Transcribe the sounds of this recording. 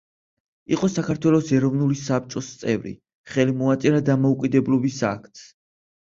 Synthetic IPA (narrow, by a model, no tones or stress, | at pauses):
iqʼɔsakʰaɾt̪ʰwɛlˠɔsɛɾɔvnulisap̚t͡ʃʼɔst̪sʼɛvɾḭ | χɛlimɔat̪sʼɛɾad̪amɔukʼid̪ɛblɔbisa̰kʰt̪ʰs